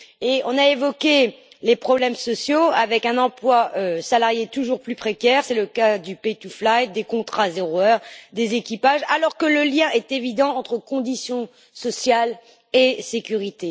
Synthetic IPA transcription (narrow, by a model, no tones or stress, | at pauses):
eɔ̃naevɔkʲe | lepχɔblɛmsɔsjoavɛkɛ̃nɑ̃plwaøsalaʁjet̪uʒuʁplypχekʲɛʁsɛləkad̪ypejt̪uflajt̚d̪ekɔ̃t̪χazeʁoœʁd̪ezekʲipaʒalɔʁkələljɛ̃ʔɛt̪evid̪ɑ̃ɑ̃t̪χəkɔ̃d̪isjɔ̃ | sɔsjal | esekʲyʁit̪e